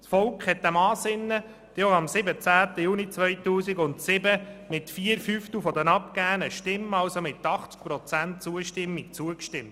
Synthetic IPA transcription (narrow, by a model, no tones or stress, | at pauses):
sfɔlkχhɛt̚d̥æmɑːsɪnːə | d̥ɛoɑmsɪbət͡sæːt̪əjunit͡sʋœjtuːsiɡʊntsɪbəmɪtfiəɾfyft̪ufɔdənɑpkæːənəʃtɪmːɑlsomɪt̪ːɑχt͡sk̚pɾɔt͡sænt̚t͡suəʃtɪmːik̚t͡suəkʃtɪmt